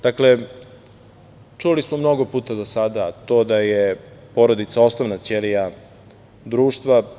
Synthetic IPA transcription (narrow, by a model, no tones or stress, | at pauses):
d̪̥akle̞ | t͡ʂulismo̞mno̞ɡo̞puːt̪ad̪osad̪at̪o̞ːd̪ajepo̞ɾo̞d̪it̪sao̞snoʋnat̪selija | d̪ɾuːʃt̪ʋa